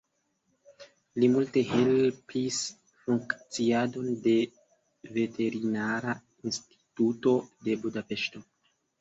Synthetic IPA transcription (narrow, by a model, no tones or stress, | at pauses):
limulte̞he̞lpʰis | fuŋkt͡siado̞nde̞ | ve̞tʰe̞ɾinaɾa | insti̥tuto̞de̞budape̞ʃto̞